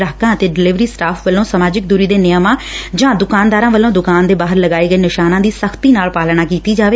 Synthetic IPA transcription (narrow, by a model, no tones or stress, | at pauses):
ɾaːkãːət̪eːɖɪlɪʋɾiːsʈaːpʰʋəlːõːsəmaːd͡ʒɪk̚d̪uːɾiːd̪eːnɪjəmãːd͡ʒãːd̪ʊkaːnd̪aːɾãːʋəlːõːd̪ʊkaːnd̪eːbaːɦəɾləɡaːiːɡəiːnɪʃaːnãːd̪iːsəkʰt̪iːnaːlpaːlɽ̃aːkiːt̪iːd͡ʒaːʋeː